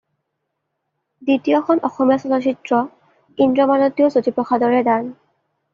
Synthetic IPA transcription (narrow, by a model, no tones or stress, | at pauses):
ditijɔxɔnʔɔxɔmijasɔtɔt͡ɕitɹɔ | indɔmanotːjɔzotipɹɔxʰadɔɹɛdan